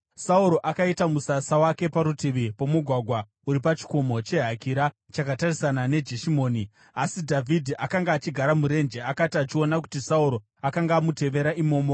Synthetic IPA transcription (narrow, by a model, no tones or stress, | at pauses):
sauɾo̞ʔakaitamusasawake̞paɾutiʋipo̞muɡʱwaɡʱwa | uɾipat͡ʃi̥ko̞mo̞t͡ʃe̞ɦakiɾa | t͡ʃakatarisanane̞d͡ʒe̞ʃimo̞ːni | asidʱavʱidʱiʔakaŋɡaːt͡ʃiɡʱaɾamuɾe̞nd͡ʒe̞akatiat͡ʃio̞nak̬u̥tisauɾo̞ | akaŋɡaːmute̞ʋe̞ɾaʔimo̞ːmo̞